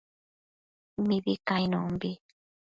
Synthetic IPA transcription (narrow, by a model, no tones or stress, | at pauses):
miβikajnɔmbi